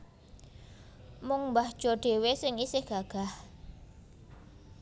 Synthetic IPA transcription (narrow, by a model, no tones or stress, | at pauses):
mʊŋmbahd̥ʒ̥ɔ̤ɖ̥e̤wesɪŋisɪhɡ̥aɡ̥a̤h